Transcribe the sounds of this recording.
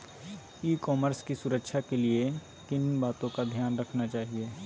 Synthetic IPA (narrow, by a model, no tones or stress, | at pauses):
iːkɔːməɾskisʊɾəkʃʰakelie | t̪ɪnbaːt̪õkad̪ʱjaːnɾɐkʰnat͡ʃaːɦieː